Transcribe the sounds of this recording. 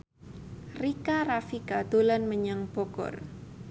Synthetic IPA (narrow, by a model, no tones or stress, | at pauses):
rikarafikad̪̥olanməɲaŋb̥oɡ̥ɔ̰r